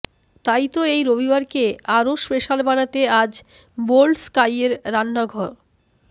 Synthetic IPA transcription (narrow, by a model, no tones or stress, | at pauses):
t̪ajt̪oejɾobibaɾkeaɾoʃpeʃalbanat̪ead͡ʑ | bolskajeɾːanːaɡʱɔɾ